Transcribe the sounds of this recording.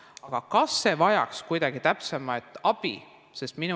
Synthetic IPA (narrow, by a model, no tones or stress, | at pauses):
ɑɡ̥ɑkɑsːe̞vɑjɑ̰kskujd̪̥ɑɡ̥it̪æpsemɑet̪ːˑɑb̥ḭ | se̞st̪min